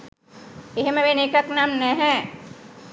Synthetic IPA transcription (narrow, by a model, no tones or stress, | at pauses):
eɦmẽʋeneːkəknaːmnɛ̃ɦɛ̃